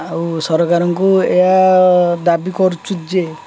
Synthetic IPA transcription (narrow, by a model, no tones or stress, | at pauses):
awsɔɾɔkaɾɔŋkuead̪abikɔɾut͡ʃʰud͡ʒe